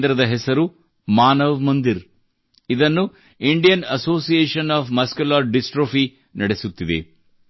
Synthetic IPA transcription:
d̪ɾɐd̪ɐɦɛsɐɾu | maːnɐʋmɐnd̪iɾ | id̪ɐnːu | iɳɖijɐnɐsoːsijeːʂɐnaːfmɐskɐlaːɖisʈɾoːpi | nɐɽesut̪ːid̪ḛ

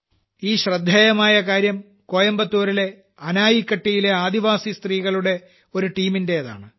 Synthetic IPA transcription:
iːɕrɐd̪ʱːeːjɐmaːjɐkaːɾjɐm | ko̞ːjɐmbɐt̪ːoːɾile̞ | ɐnaːjikːɐʈːijileaːd̪iʋaːsist̪riːɣɐɭuɽe̞ | o̞ɾuʈiːminde̞jɐða̰ːɳɨ

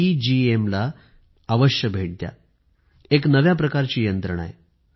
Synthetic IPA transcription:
id͡ʑiemlaː | ʋəɕjəbʱeʈ̚d̪ja̰ | eknəʋjap̬ɾəkaɾt͡ɕiːjənt̪ɾəɳ̃a̰j

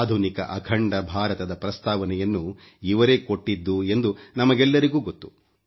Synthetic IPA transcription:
d̪ʱunikɐ̰ʔɐkʰɐɳɖɐbʱaːɾɐt̪ɐd̪ɐpɾɐst̪aːʋɐnɛjɐnːu | iʋɐɾeːko̞ʈːid̪ːue̞nd̪unɐmɐɡɛlːɐɾiɡuːɡot̪ːu̥

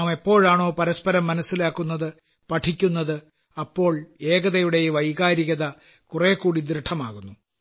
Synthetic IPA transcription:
me̞pːo̞ːɻaːɳo̞ːpɐɾɐspɐɾɐmːɐnɐsːilaːkːunːɐðɨ | pɐʈʰikʲːunːɐðɨ | ɐpːo̞ːɭeːɣɐðɐjuɽe̞jʋɐjɣaːɾiɣɐðɐ | kure̞ːkːuːɽid̪ɾɐʈʰɐma̰ːɣunːu

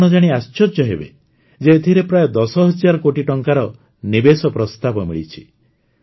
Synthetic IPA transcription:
ɽ̃ɔd͡ʒaɽ̃iast͡ʃɔɾd͡ʒɔɦḛbḛ | d͡ʒeːt̪ʰiɾepɾajɔd̪ɔsɔɦɔd͡ʒaɾɔkoʈiʈɔŋkaɾɔ | nibesɔpɾɔst̪abɔmḭɭit͡ʃʰi̥

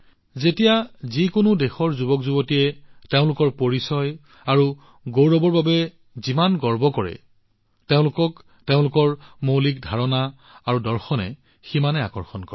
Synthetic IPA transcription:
zetijazikʊnʊdexɔɹzubɔkzubotijɛteʊ̃lʊkɔɹpoɹisɔj | aɹu | ɡowɹɔbɔɹbabɛ | zimanɡɔɹbɔkɔɹɛ̰ | teʊ̃lʊkɔk | teʊ̃lʊkɔɹmowlik̚dʱaɹɔna | aɹudɔɹxɔnɛ̰ | ximanɛa̰kɔɹxɔnkɔɹɛ

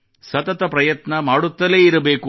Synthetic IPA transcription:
sɐt̪ɐt̪ɐpɾɐjɐt̪nɐmaːɽut̪ːɐleːiɾɐbeːku

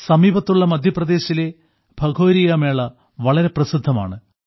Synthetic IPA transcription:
sɐmiːbɐt̪ːuɭːɐmɐd̪ʱjɐprɐd̪e̞ːɕile̞ | bʱɐɡʱo̞ːɾijɐme̞ːɭɐ | ʋɐɭɐɾe̞prɐsid̪ʱːɐma̰ːɳɨ

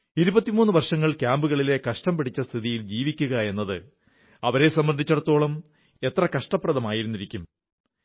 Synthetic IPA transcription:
iɾubɐt̪ːimuːnːɨʋɐrʂɐŋːɐɭkʲaːmbuɣɐɭile̞kɐʂʈɐmpeʈʰit͡ɕːɐst̪ʰiðijild͡ʑiːʋikʲːuɣɐe̞nːɐðɨ | ɐʋɐɾe̞sɐmbɐnd̪ʱit͡ɕːɐɽɐt̪ːo̞ːɭɐm | e̞t̪rɐkɐʂʈɐpːrɐðɐmaːjiɾunːiɾikʲːum

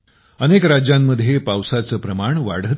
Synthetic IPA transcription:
ənekɾad͡ʑjamːəd̪ʱːjepawsat͡səːpɾəmaɳʋa̰ɽ̤ə

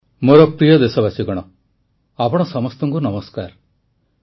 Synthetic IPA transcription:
moɾɔpɾijɔd̪esɔbasiɡɔɽ̃ɔ | apɔɽ̃ɔsɔmɔst̪ɔŋkunɔmɔskaɾ

